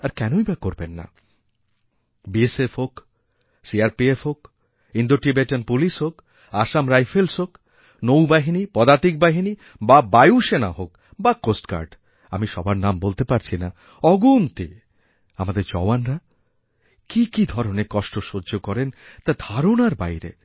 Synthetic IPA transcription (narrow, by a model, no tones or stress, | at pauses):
aɾkɛnoibakoɾbenːa̰ | biesefɦok | siaɾpiefɦok | ind̪oʈibeʈenpuliʃɦok | aʃamɾajfelsɦok | nowbaɦinipɔd̪at̪ik̚baɦini | babajuʃena̰ɦok | bakosʈka̰ɾɖ | a̰miʃɔbaɾnambolt̪epaɾt͡ɕʰina | ɔɡunt̪i | amad̪eɾd͡ʑɔ̰anɾa | kikid̪ʱɔɾonekɔʃʈoʃoɾd͡ʑokɔɾent̪ad̪ʱaɾonaɾba̰jɾḛ